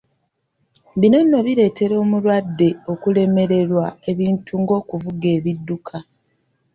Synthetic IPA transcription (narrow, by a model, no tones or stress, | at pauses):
bino̞nːo̞βiɾe̞ːte̞ɾo̞ːmulwadːe̞o̞kule̞me̞ɾe̞ɾwae̞βiːntʰuŋɡo̞ːkuvuɡe̞ːβidːukʰa